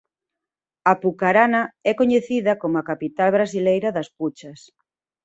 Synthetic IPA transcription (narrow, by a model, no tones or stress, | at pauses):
apukaɾanɐɛkoɲeθiðɐkomʊakapit̪alβɾasilejɾɐðɐsput͡ʃɐs